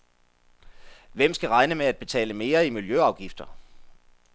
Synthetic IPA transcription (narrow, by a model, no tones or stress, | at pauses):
ʋem̰sɡ̥æʁɑ̈ɪnəmeæd̥̚b̥e̝t͡sʰɛ̰ːləme̝ːɐimiljøɑ̈ʊɡ̥ifd̥ɐ